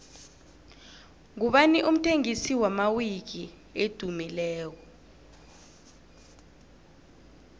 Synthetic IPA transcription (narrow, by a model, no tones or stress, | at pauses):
ŋuɓaniʔum̩tʰeŋisiwamawik̬i | ed̥ʱumilɛːk̬ɔ